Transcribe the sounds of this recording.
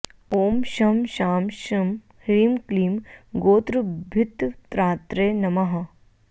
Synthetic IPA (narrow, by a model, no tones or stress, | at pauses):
oːmʃɐmʃaːmʃɐm | ɾiːmkliːmɡoːt̪ɾɨbʱɪt̪t̪ɾaːt̪ɾeːnɐmɐɦɐ